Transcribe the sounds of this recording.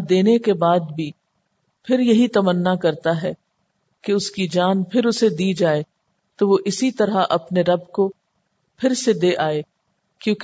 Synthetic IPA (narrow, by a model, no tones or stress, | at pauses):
d̪eːnekebaːd̪̚bʱi | pʰɪɾjɐɦit̪ɐmənːakɐɾt̪aɦɛː | keʊskid͡ʒaːnpʰɪɾʊsed̪iːd͡ʒaːe | t̪oʋoʔɪsit̪ɐɾaʔɐpneɾɐbko | pʰɪɾsed̪eːʔaːeː | kjõːk